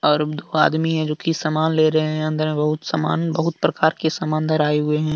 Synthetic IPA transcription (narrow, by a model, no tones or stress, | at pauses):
ɔːɾd̪oːa̰ːd̪miɦɛ̃d͡ʒoːkisɐmaːnleɾɐɦeɦɛ̃ɐ̃nd̪əɾmẽbɐɦʊt̪səma̰ːnbɐɦʊt̪̚pɾɐkaːɾkesəməːnd̪ʱəɾaːeɦʊeɦɛ̃ː